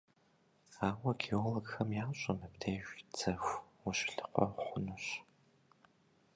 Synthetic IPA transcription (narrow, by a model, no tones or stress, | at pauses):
aːwɐɡʰioloɡxɐmjaːɕʼɐnɨpdʰeʒʷt͡sɐxʷwʊɕɬɨ̥qʷʼɔ̰χʷʊnɨɕ